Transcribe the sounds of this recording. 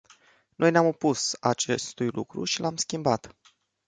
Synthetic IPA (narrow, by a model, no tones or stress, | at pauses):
nʔo̞jneamopusat͡ʃe̞st̪ujlṵkɾṵʃilamskʲimbat̪